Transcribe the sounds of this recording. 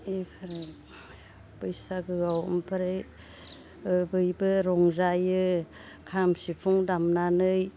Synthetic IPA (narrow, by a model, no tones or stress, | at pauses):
ipʰaɾɯ | pɯjsaɡɯɡawɯ̰mpʰaɾe | bɯjbɯɾɔŋzajɯ | kʰamsipʰuŋdamnanɯj